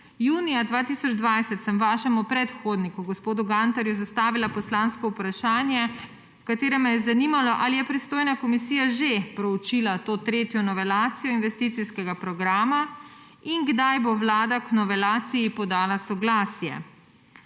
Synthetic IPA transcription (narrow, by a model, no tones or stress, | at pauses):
juːnijad̪ʋaːt̪isɔd͡ʒd̪ʋajsɛt̪sɛmʋaːʃɛmupɾɛt̪xoːd̪nikuɡɔspoːd̪uɡant̪aɾjuzast̪aːʋilapɔslanskɔupɾaʃaːnjɛ | kat̪eːɾɛmɛjɛzaniːmalɔʔalijɛpɾist̪oːjnakɔmisiːjaʒepɾɔut͡ʃilat̪oːt̪ɾeːt̪jɔnɔʋɛlaːt̪sijɔinʋɛst̪iːt̪siskɛɡapɾɔɡɾaːma | iŋɡd̪ajbowlaːd̪aknɔʋɛlaːt̪sijipɔd̪aːlasɔɡlaːsjɛ̰